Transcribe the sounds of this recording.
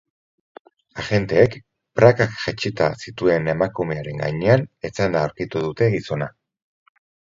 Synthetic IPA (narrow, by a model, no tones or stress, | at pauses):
aʝe̞nt̪e̞ːk | pɾakakʝet͡ʃit̪a̰sit̪ue̞ne̞makume̞aɾe̞ŋɡa̰jɲe̞ane̞t͡sand̪aːwɾkit̪uðut̪e̞ɣiso̞na